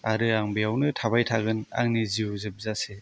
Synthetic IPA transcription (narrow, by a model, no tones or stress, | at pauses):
aɾɯaŋbijawnɯtʰabajtʰaɡɯna̰ŋniziuzɯp̚zase